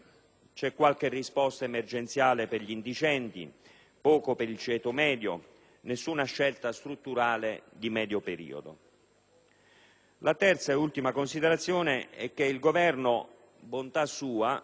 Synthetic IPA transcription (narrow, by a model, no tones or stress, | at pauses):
t͡ʃɛkːwalk̟erːispɔst̪aemerd͡ʒent̪sjaːleperʎind̪it͡ʃɛnt̪ḭ | pɔːkopeɾilt͡ʃɛːt̪omɛːd̪jo̰ | nesːunaʃːɛlt̪ast̪ɾut̪ːuɾaːled̪imɛːd̪jopeɾḭːo̰d̪o̰ | lat̪ɛrt̪saeult̪imakonsid̪eɾat̪sːjoːneɛk̟ːeilɡovɛrno | bont̪asuːa